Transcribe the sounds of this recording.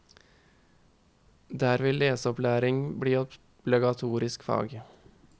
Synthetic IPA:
d̪æːɾʋeːleːsɔplæːɾɪŋbɽiːɔ | b̥lɪɡɑt̪ʰuːɾɪskfɑ̰ːɡ

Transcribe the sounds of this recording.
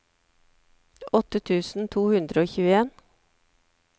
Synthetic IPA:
ɔt̪ət̪ʰʉːsn̩t̪ʰuːhʉnd̪ɾəoːçʉːəeːn

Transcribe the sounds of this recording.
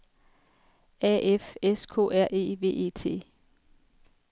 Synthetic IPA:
ɛʔefeskʰo̝̰ːæɐ̰ʔe̝̰ːʋe̝̰ːe̝̰ːt͡sʰe̝̰ː

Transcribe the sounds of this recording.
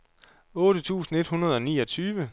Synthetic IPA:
ɔ̽ːɾ̥ət͡sʰṵːsn̩e̝d̥hunɐð̞ˠɒ̽niːɒ̽t͡sʰyːʋə

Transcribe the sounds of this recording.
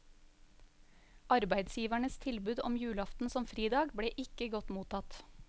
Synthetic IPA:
ʔɑɾbæɪd̪sjiːʋæɳəst̪ʰɪlbʉːd̪ɔmjʉːlɑft̪n̩sɔmfɾiːd̪ɑːɡbɽeːʔɪkəɡɔt̪muːt̪ɑt̪

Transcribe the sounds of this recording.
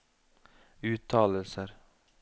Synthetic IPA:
ʉːt̪ʰːɑːləlsəɾ

